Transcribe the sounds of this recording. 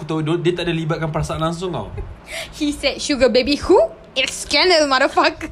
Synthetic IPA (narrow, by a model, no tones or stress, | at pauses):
ut̪adodiət̪aʔdalibat̪̚kanpəɾasaʔanlaŋs̬ʊŋta̰whisɛt̚ʃuɡəbebihu | ɪtskɛ̃nəlmaɾəfak